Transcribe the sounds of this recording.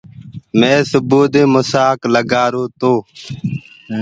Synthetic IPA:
mẽːsʊboːd̪eːmʊsaːkləɡaːɾoːt̪oː

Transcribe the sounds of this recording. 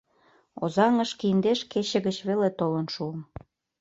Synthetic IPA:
o̰zɑŋəʃkiənd̪eʃket͡ɕĕɣət͡ɕβelet̪olə̆nʃuəm

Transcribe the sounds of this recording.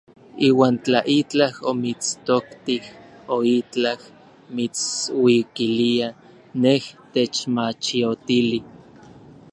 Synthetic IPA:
iːwaːnt͡ɬaʔit͡ɬahomit͡st̪okt̪ihoit͡ɬah | mit͡swikilia | neht̪et͡ʃmat͡ʃiot̪ili

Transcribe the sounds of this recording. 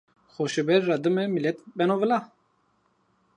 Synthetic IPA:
xoʃəbɛɾːad̪ɨmɛmilɛt̪bɛnovəla

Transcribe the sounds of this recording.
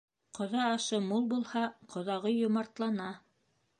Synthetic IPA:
qŏðɑːʃɤmulˠbulˠhɑqʰŏðɑʁɤjŏmɑɾt̪lˠɑnɑ

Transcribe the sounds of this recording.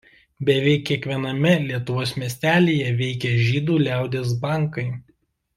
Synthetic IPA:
bʲɛʋʲɛɪkʲːiɛkʋʲiɛnɐmʲɛlʲiɛt̪ʊʋoːsmʲiɛsʲt̪ʲæːlʲeːjɛʋʲɛɪkʲɛʒʲiːd̪uːlʲæˑʊd̪ʲeːs̬bɐˑŋkɐɪ

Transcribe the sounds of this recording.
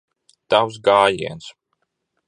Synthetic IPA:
t̪aws̬ɡaːjiɛns

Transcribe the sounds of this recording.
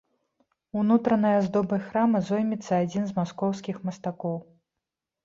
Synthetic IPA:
unut̪ɾɐnɐjɐzd̪ɔbɐjxɾamɐzɔjmʲit̪sːɐad͡zʲinzmaskɔwskʲixmɐst̪akɔw

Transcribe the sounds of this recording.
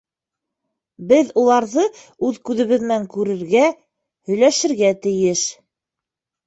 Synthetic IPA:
bɘðulˠɑɾðɤ | ʉðkʉðɘ̆βɘ̆ðnæŋkʉɾɘ̆ɾɡæ | hɵ̆jlæʃɘ̆ɾɡæt̪ɘ̆jɘʃ

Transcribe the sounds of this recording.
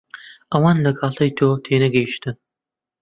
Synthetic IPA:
ɐwɑnlɐɡaːɬɐjtʰoːtʰeːnɐɡɐjʃtʰɨn

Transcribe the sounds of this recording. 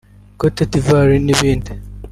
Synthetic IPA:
kotetivaɾiniβiːndi

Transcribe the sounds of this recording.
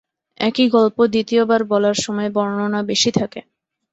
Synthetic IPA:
ɛkiɡɔlpod̪it̪iobaɾbɔlaɾʃɔmɔebɔɾnonabeʃit̪ʰake

